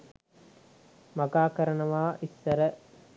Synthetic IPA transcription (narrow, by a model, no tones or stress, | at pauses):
mɐɡaːkəɾənəʋaːʔisːɐɾə